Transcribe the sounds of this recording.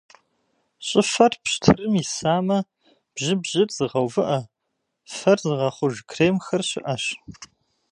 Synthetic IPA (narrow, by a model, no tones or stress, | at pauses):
ɕʼɪfɐrpɕtʰɨrɨmisaːmɐ | b̥ʑɪbʑɪrz̥ɨʁɐwvɨʔɐ | fɐrzɨʁɐχʷʊʒkʰreːmxɐrɕɪ̰ʔɐɕ